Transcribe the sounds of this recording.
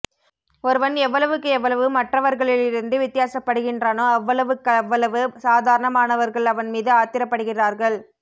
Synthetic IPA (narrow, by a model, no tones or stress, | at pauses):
ɔɾɯʋɐnɛʋːɐɭɐʋɯkːɯɛʋːɐɭɐʋɯmɐʈrɐʋɐɾɣɐɭɪlɪɾɯnd̪ɯʋɪt̪ːɪjaːsɐpːɐɽɯɣɪndraːnoːɐʋːɐɭɐʋɯkːɐɐʋːɐɭɐʋɯsaːðaːɾɐɳɐmaːnɐʋɐɾɣɐɭɐʋɐnmiːðɯaːt̪ɪɾɐpːɐɽɯɣɪraːɾɣɐɭ